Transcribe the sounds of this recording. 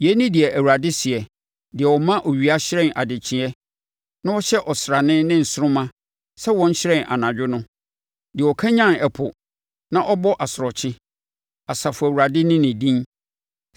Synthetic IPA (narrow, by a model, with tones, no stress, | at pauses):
jɛ˦nĩ˦dɪ˨ɛ˨ʔæ˨wu˨ɾa˨dɪ˦sɪ˨ɛ˨ | dɪ˨ɛ˨wɔ˨mã˦ʔɔ˨ɥi˨a˦ɕɪ˦ɾɛ̃˦˨na̰˨dɪ˨t͡ɕʰɪ̃˨˦ɛ˦ | nã˦ɔ˦ɕɛ˦ʔɔ˨sɾa˨nɪ̃˦nɪ̃˦n̩˨sʊ˦ɾʊ̃˦mã˦ | sɛ˦wɔ̃˦ɲ̩˦ɕɪ˦ɾɛ̃˦na̰˨nã˨d͡ʑᶣʊ˦nʊ̃˦ | dɪ˨ɛ˨wɔ˨kʰa˦ɲã˦nɛ˨pʰʊ˨ | nã˦ʔɔ˦bɔ˦ʔa˨sɾɔ˨t͡ɕʰɪ̃˦ | a˨sa˨fʊ˨æ˨wu˨ɾa˨dɪ˦nɪ̃˦nɪ̃˨dĩ˦n